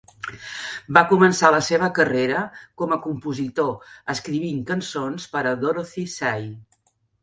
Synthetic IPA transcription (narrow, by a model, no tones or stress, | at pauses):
bakumənsaləseβ̞əkəreɾəkɔməkumpuzit̪oəskɾiβiŋkənsonspəɾəd̪oɾoθisɛj